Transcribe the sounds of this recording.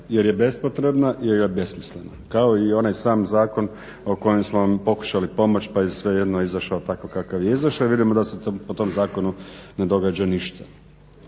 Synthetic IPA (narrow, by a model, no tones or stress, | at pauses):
je̞ɾjebe̞spot̪ɾebnaʔjeɾjebe̞smislenakao̞io̞najsaːmzaːko̞n | o̞ko̞jemsmonampo̞ku̥ʃalipo̞mo̞t͡ɕpajesʋe̞je̞d̪noizaʃaot̪akokakaʋjeizaʃaʋid̪imod̪asepot̪o̞mzaːko̞nune̞d̪o̞ɡad͡ʑaniʃt̪ʰḁ